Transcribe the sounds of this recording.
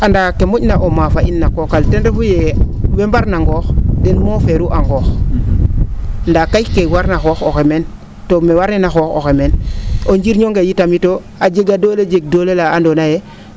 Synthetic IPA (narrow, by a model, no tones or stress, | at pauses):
andaːkemoɟnaʔomafainːakokaltenɾefuje | wembaɾnaŋɡoːxdenmoːfeɾuʔaŋɡoːx | ndakajkewaɾnaxoxoxemen | tomewaɾnenaxoːxo̰xemenoɲd͡ʒiɾɲoŋɡejitamito | ad͡ʒeɡadoːled͡ʒeɡ̚doːlelaandonaje